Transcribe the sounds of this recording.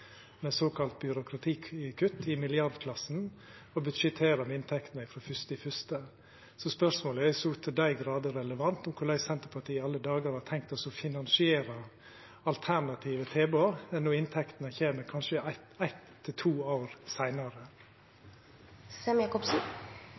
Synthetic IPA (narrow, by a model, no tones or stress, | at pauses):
mɛsoːkʰɑlt̪̚bjʏɾʊkɾɑt̪ʰiːkʰʉt̪ːɪmɪlɪɑɾd̪kʰlɑsn̩ | ɔbʉd̪ʃɛt̪ʰeːɾɑmɪnt̪ʰɛkt̪n̩əɪfɾoːfʏst̪ɪfʏst̪ə | sɔspœʂmoːləæsʊt̪ʰəd̪æɪɡɾɑːd̪əɾɛləʋɑnt̪ʊmkʰʊɭæɪsɛnt̪əɾpʰɑʈ̪ʰiːɑlːəd̪ɑːɡəɾhɑt̪ʰɛŋk̚t̪ɑsɔfɪnɑnsɪeːɾɑ | ɑlt̪ʰæɾɳɑt̪ʰiːʋət̪ʰeːboːɛnoːɪnt̪ʰɛkt̪nəçeːməɾkʰɑnʃəæɪt̪æɪt̪ʰːɪlt̪ʰuːoːɾsæɪnɑɾə | sɛmjɑːkɔpsn̩